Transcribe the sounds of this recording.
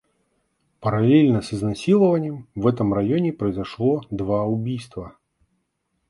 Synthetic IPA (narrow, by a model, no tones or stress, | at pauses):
pɐɾalʲelʲnɐsɨznasʲilˠəvɐnʲːɛmvɛt̪ɨmrajɔnʲɛpɾɐjzaʂlˠɔd̪vaubʲijst̪vɐ